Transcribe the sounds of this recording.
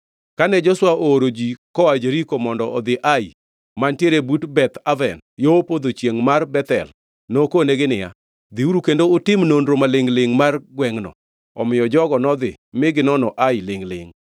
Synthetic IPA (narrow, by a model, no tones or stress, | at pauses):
kanɛd͡ʒɔswaʔoɾod͡ʒikɔwad͡ʒeɾikomɔndɔɔd̪ɪʔai | mantjeɾebutbɛt̪avɛn | jopod̪ot͡ʃjeŋmarbɛt̪ɛ̰l | nokoneɡɪnɪja̰ | d̪iuɾukendoʊtɪmnondɾomalɪŋlɪŋmarɡwɛŋnɔ̰ | ɔ̰mɪjɔd͡ʒɔɡɔnɔd̪ɪ̰ | mɪɡɪnɔnɔʔajlɪŋlɪ̰ŋ